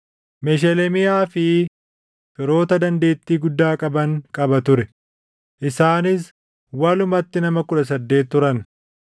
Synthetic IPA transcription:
mɛʃ̬ɛlɛmɪjaːfɪ | fɪɾo̞ːt̪ɐd̪ɐnd̪e̞ːt̪ːiːɡʊd̪ːaːkʼɐbɐŋkʼɐbɐt̪ʊɾɛ | ʔɪsaːnɪs | wɐlʊmɐt̪ːɪnɐmɐkʊᶑɐs̬ɐd̪ːe̞ːt̪ːʊɾɐn

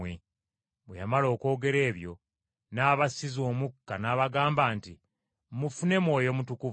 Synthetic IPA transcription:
e | βwejamalo̞ːko̞ːɡe̞ɾe̞ːβjo̞̰ | naːβasizo̞ːmukːanaːβaɡaːmbaːnti | mufune̞mwo̞ːjo̞mutukuv

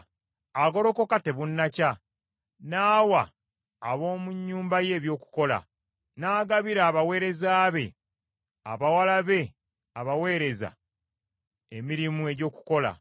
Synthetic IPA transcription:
aɡo̞ɾo̞ko̞kate̞βunːaca | naːwaː | βo̞ːmuɲːuːmbaje̞ːβjo̞ːku̥ko̞la̰ | naːɡaβiɾaːβawe̞ːɾe̞zaːβe̞̰ | a̰βawalaβe̞ | aβawe̞ːɾe̞za̰ | emiɾimue̞ɟo̞ːku̥ko̞la̰

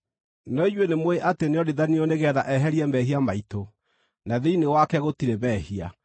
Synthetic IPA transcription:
nɔiɲwenemweʔateneɔɾeðanioneɣɛðaʔɛɦɛɾiɛmɛɦiamaito | naðeinewakɛɣotiɾeβɛhia̰

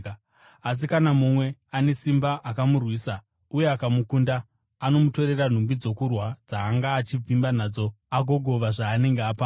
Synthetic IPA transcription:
as̬ikanamumwe̞ane̞simbaʔakamurwiːsa | uje̞akamukundaː | no̞muto̞ɾe̞ran̤umbid͡zo̞kurwad͡zaːŋɡaːt͡ʃib͡vimbanaːd͡zo̞ | aɡʱo̞ɡʱo̞ʋaʐaːne̞ŋɡeaːpa

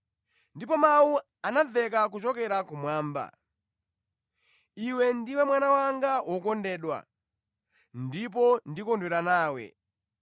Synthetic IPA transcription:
ndipɔmawu | anaðɛkak̬ut͡ʃɔkɛɾakumwaːmba̰ | iwɛndiwɛmwanawaŋɡawʔɔkɔndɛːɗwa̰ | ndip̬ɔndikɔndwɛɾanaːwɛ̰

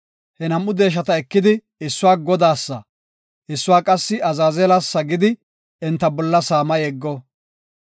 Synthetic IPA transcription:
hɛnɐmːʊd̪e̞ːʃ̬ɐt̪ɐɛkːɪd̪ɪ | ɪsːʊwaːɡɔd̪aːsːɐ | ʔɪsːʊwaːkʼɐsːɪɐzaːzɛlasːɐɡɪd̪ɪ | ɛnt̪ːɐbɔlːɐsaːmɐjɛɡːɔ

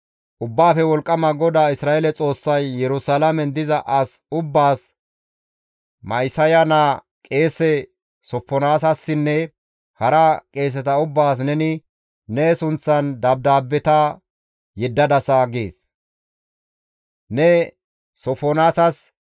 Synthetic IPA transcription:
ʔʊbːaːfɛwɔlkʼːɐmɐɡɔd̪aːɪsɾaːʔɛlɛt͡sʼo̞ːsːɐjːɛɾʊsalɐmɛnd̪ɪzɐʔɐs | ʊbːaːs | mɐjsɐjɐna | kʼe̞ːsɛ | sɔpːɔnaːsɐsːɪnːɛ | hɐɾɐkʼe̞ːs̬ɛt̪ɐʊbːaːs̬nɛnɪ | nɛsʊnt͡sːɐnd̪ɐb̚d̪aːbːɛt̪ɐ | jɛd̪ːɐd̪ɐsaɡḛːs | nɛ | sɔfɔnaːsɐs

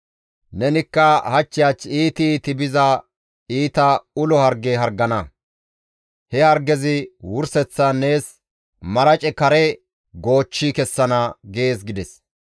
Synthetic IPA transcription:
nɛnɪkːɐhɐt͡ʃːɪjaːt͡ʃːiːt̪it̪ɪbɪzɐ | iːt̪ɐʊlɔhɐɾɡeɦɐɾɡːɐnɐ | hɛhɐɾɡɛzɪwʊɾsɛt͡sːɐne̞ːs | mɐɾɐt͡ʃʼɛkɐɾɛ | ɡo̞ːt͡ʃːikɛsːɐnɐɡeːsɡɪd̪ɛs

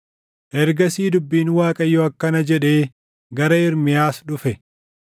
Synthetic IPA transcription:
ʔɛɾɡɐsiːd̪ʊbːiːnwaːkʼɐjːoɐkːɐnɐd͡ʒɛᶑe̞ː | ɡɐɾɐɪɾmɪjaːsᶑʊfɛ

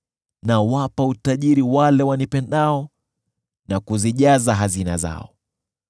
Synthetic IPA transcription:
nawapautaʄiɾiwalɛwanipɛndaɔ | nakuziʄazaɦazina̰za̰ɔ

